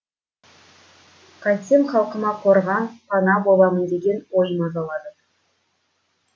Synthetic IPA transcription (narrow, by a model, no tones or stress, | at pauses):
qʰɑsʲemχɑlˠqənɑqʰo̞ɾʁɑnpʰɑnɑbo̞lˠɑmənd̪e̞ɡʲe̞nwojmɑzɑlˠɑd̪ə